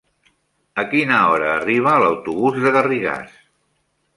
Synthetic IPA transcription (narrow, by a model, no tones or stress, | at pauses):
əkinəɔɾəːriβ̞əːləwt̪uβuzðəɣəriɣa̰s